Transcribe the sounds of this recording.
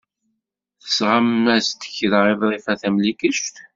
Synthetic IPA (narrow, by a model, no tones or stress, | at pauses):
θə̥sʁamːæst̪ə̥çðʁevɾˤifæθæmlikəʃt̪